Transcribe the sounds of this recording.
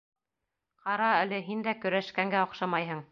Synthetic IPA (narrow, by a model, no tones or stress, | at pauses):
qɑɾɑælɘɦind̪ækɵ̆ɾæʃkæŋɡæoqʃɑmɑjɦɤɴ